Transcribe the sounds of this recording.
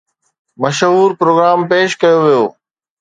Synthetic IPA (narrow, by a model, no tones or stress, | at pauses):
mɐʃɦuːɾpɾoːɡɾaːmpeːʃkɐjoʋijo̰ː